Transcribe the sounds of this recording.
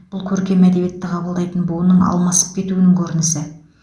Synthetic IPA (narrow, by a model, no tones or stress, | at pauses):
b̥ʊlˠkʲʰɵɾkʲe̞mæd̪ebije̞t̪ːɪqʰɑbəlˠd̪ɑjt̪ənbolnəɴɑ̰lˠmɑsə̥p̚kʲʰe̞t̪uɪnɪŋkʲʰɵɾɪnɪsɪ